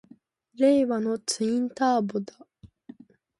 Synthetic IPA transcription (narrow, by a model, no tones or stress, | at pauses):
ɾe̞ːβano̞t͡sɨĩnt̪aːbod̪a